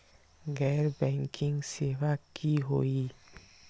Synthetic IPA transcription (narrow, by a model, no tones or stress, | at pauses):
ɡɛːɾbɛ̃ːŋkʰɪ̃ŋɡseʋakiɦoi